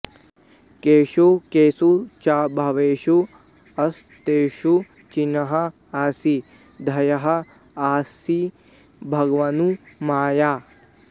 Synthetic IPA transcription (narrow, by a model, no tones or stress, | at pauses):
keːʃokeːsut͡ʃaːbʱɐʋeːʃu | ɐs | t̪eːʃu | t͡ʃinɐɦɐ | aːsi | d̪ʱɐjɐɦɐ̆ | aːsi | bʱɐɡʋɐnumaːjaː